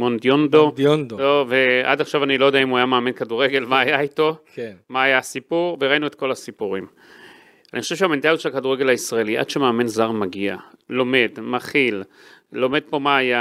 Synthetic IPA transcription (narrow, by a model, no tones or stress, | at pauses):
mond̪jond̪odondlovea̰daχʃavanilojodɛaimuajameaːmenkaduʁeɡe̞lmaːjaito̞kemaːjaːsipuʁveʁainuet̪̚ko̞lasipuʁim | anixo̞ʃevʃeament̪aljott͡ʃʃelakaduʁeɡe̞laisʁaeliʔa̰d̥ʃemeːme̞nzaʁmaɡia̰lo̞me̞dmaχil | lo̞me̞d̪̚po̞maːja